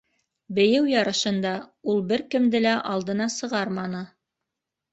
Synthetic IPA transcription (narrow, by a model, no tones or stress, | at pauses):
bɘ̆jɘwjɑɾɤ̆ʃɤ̆nd̪ɑulˠbɘɾkɘ̆md̪ɘlæʔɑlˠd̪ɤ̆nɑsɤ̆ʁɑɾmɑnɤ